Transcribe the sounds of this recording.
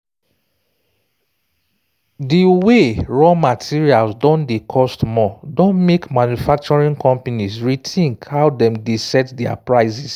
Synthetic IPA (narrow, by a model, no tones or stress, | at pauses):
diweɹɔmatʰiɹialsdɔ̃ndekʰɔstmɔdõnmekmãnjufak̚t͡ʃɔɹĩŋkʰɔ̃mpanisɹitʰĩŋkhawdɛ̃mdesɛtdɛa̰pɹaɪsis